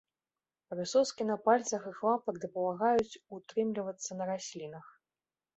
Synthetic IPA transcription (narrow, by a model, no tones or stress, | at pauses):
ɾɨsɔskʲinɐpalʲt̪sɐxɨxvapɐɡd̪ɐpɐlˠaɣajut͡sʲut̪ɾɨmlʲivɐt̪sːɐnɐɾasʲlʲinɐx